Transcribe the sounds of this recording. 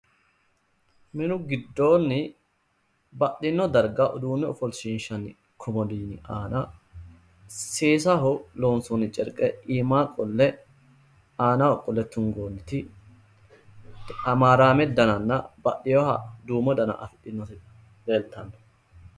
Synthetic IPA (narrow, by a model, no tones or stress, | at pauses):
mɪnʊɡɪd̪ːo̞ːnːɪ | bɐɗɪnːɔd̪ɐɾɡaʔɔd̪uːnːɛɔfɔlsiːnʃɐnɪ | kʰɔmɔliːnɪʔaːna | seːsaɦʊloːnsunɪt͡ʃʼɛɾkʼɛiːmaːkʼɔlːɛ | aːnaːɔkʼɔlːɛt̪ːʊŋɡoːnːɪt̪ɪ | ɐmaːɾaːmɛd̪ɐnɐnːɐbɐʔɪjohɐd̪uːmɔd̪ɐnɐ̰ʔɐ̰fɪᶑɪnːɔt̪ɪ | leːlt̪ɐnɐ̥